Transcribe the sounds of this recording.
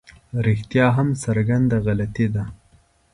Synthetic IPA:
ɾixt̪jɑɦamsaɾɡand̪aɣalat̪id̪a

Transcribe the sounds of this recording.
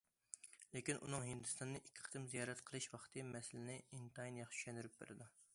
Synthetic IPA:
lekʲinʔṵnɨŋɦɪnd̪ɨst̪ɑnːɨʔikʲʰːɪ̥qʰə̥t̪ɨmzijɑːɾɛt̪qʰəlˠɨʃwɑχt̪ʰɨmɛsɪlɪnɪint̪ɑjnjɑχt͡ʃʰʃɛnd̪yɾyp̚bḛɾɪd̪u

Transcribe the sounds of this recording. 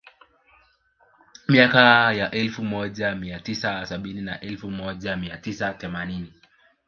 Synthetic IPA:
miakajaʔɛlfumɔʄamiatisasaɓinina̰ʔɛlfumɔʄamiatisaθɛmanini

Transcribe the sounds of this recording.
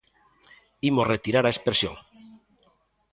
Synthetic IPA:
imozret̪iɾaɾaespɾesjo̰ŋ

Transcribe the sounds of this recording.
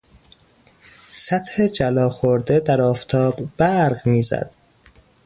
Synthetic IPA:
sæt̪hed͡ʒælɒːxoɾd̪ed̪æɾɒːft̪ʰɒːbbæɾɢmiːzæ̰d̪̥

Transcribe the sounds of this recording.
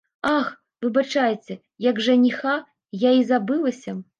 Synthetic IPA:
ax | vɨbat͡ʂajet͡sʲɛ | jɐɡʐɐnʲixa | jaizabɨlˠɐsʲɐ

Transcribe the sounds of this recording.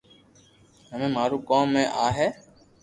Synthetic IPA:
ɦəmẽːmaːɾuːkoːmːẽːʔaːɦeː

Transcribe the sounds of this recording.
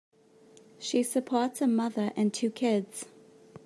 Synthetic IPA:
ʃisɨpʰɔɹtshəmʌðə˞ʔɨ̃ntʰʉkʰɪdz̥

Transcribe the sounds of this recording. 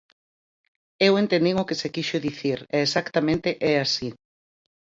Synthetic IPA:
ewent̪ẽnd̪iŋʊkesekiʃʊðiθiɾɛːsakt̪amẽnt̪eʔɛasi

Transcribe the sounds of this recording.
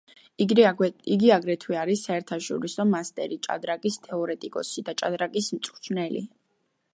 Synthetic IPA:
iɡiaɡɾɛt̪ʰwɛaɾisːaɛɾt̪ʰaʃɔ̰ɾisɔmast̪ʼɛ̰ɾit͡ʃʼa̰d̪ɾakʼist̪ʰɛɔɾɛt̪ʼikʼɔ̰sid̪at͡ʃʼad̪ɾakʼismt̪sʼt̪ʰnɛlḭ

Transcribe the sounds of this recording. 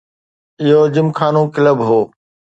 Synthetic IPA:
ɪɦod͡ʑɪmkʰaːnũːkɪləbɦoː

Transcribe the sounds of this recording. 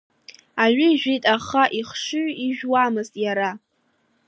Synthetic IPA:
aʕʷɪʒᶣitʼaχaʔiχʂɨɥiʒᶣwamɨztʼjaɾa

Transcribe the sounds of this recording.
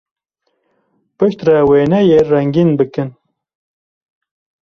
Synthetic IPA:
pɨʃt̪rɛweːnɛjerɛŋɡinbɨkɨn

